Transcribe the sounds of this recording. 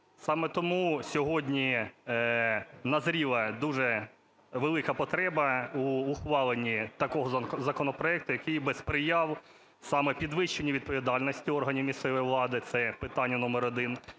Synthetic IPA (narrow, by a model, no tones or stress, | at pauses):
sɑmɛt̪ɔmusʲɔɦɔdʲnʲi | nɐzɾʲilˠɐd̪uʒɛ | ʋelˠɪkɐpɔt̪ɾɛbɐuːxʋɑlˠenʲit̪ɐkɔɦɔzɐkɔnɔpɾɔɛk̚t̪ʊjɐkɪjbɛspɾɪjɑw | sɑmɛpʲid̪ʋɪʃt͡ʃenʲiʋʲid̪̚pɔʋʲid̪ɑlʲnɔsʲtʲiɔrɦɐnʲiwmʲist̪ɛʋɔjiʋlˠɑd̪ɪt̪sɛpɪt̪ɑnʲːɐnɔmɛɾɔd̪ɪn